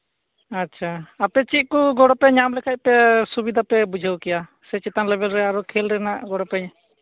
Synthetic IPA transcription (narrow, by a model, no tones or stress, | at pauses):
atːt͡ʃʰaapɛt͡ʃit̪̚kuɡɔɽɔpɛɲamlɛkʰac̚ˀpɛsubid̪ʱapɛbud͡ʒʱəwkɛja | sɛt͡ʃɛt̪anlɛbɛlɾɛaɾɔkʰɛlɾɛnaʔɡɔɽɔpɛɲ